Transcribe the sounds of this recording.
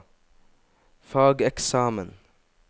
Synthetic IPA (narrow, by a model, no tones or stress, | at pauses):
fɑːɡɛksɑːmən